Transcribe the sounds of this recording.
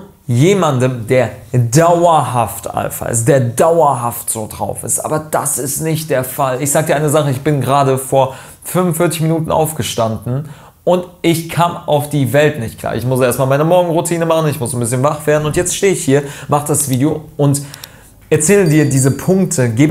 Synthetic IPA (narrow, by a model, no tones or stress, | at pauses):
jeːmandəmdeːɐdaʊɐɦaftʔa̰lfɐ̰ɪ̰st̚d̥eːɐdaʊɐɦaftz̥oːdʁa̰ʊfɪ̰stʔa̰ːbɐd̥asɪstnɪçt̚d̥eːɐfalɪçz̥aːɡədiːʔaɪnəzaχəɪçb̥ɪnɡəʁaːdəfoːɐ | fʏnvʊnfɪɐt͡sɪç̬minuːtn̩ʔa̰ʊfɡ̥əʃtandn̩ | ʔʊntʔɪçkʰaːmʔaʊfd̥iːvɛltnɪçt̚kl̥a̰ːʔɪ̰çmʊseːɐstmaːlmaɪnɐmɔɐɡŋ̩ʁutʰiːnəmaχn̩ɪçmʊsnbɪsçənvaχv̥eːɐn̩ʊntjɛt͡stʃteːəɪçhiːɐmaχəd̥asv̥iːdeoʔʊnt | ʔɛɐt͡sɛːlədiːɐdiːzəpʰʊŋk̚tʰəɡeːb